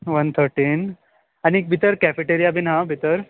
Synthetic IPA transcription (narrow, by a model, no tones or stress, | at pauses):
ʋənt̪ʰəɾʈin | aniːk̚bʱit̪əɾkɛfeʈeɾijabʱinɦãbʱit̪əɾ